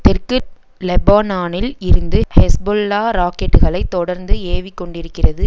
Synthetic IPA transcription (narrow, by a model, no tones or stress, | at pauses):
t̪ɛɾkɯʈ | lɛbaːnaːnɪlɪɾɯnd̪ɯhɛsbɔlːaːɾaːkɛʈːɯɣɐɭɐɪt̪ːɔɽɐɾnd̪ɯeːʋɪkːɔɳɖɪɾɯkːɪrɐðɯ